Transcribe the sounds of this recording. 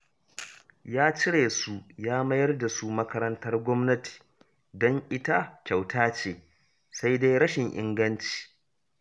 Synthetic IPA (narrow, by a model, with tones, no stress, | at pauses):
jaː˦t͡ʃɪ˦ɽeː˨su˦jaː˦mɐ˦jɐ˦rda˨su˦mɐ˦kɐ˦ɾɐ˦ntɐ˦rɡʷɔ˦mnɐ˦ti̥ː˨ | dɔ˦ŋʔɪ˦ta˦kʲa˨wtʰaː˦t͡ʃeː˨ | sa˦jda˦jɽɐ˦ʃɪ˨ŋʔɪ̰˦ŋɡɐ˦nt͡ʃi̥ː˨